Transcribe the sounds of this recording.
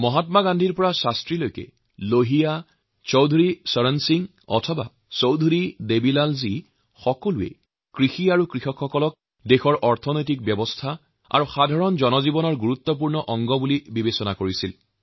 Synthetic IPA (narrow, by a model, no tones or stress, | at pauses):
mɔɦatmaɡandʱiɹpɔɹasastɹilojkɛ̰ | loɦija | t͡ʃowdʱuɹisɔɹansiŋ | ɔ̰tʰɔba̰ | sowdʱuɹidebilalzi | xɔkɔluɛ̰ | kɹixiaɹukɹixɔkxɔkɔlɔk̚ | dexɔɹʔɔɹtʰɔnojt̬ik̚bjɔbɔstʰa | a̰ɹuxadʱaɹɔnzɔnɔzibɔnɔɹɡuɹut̪ːɔp̬uɹnɔʔɔŋɡɔbulibibesɔnakoɹisil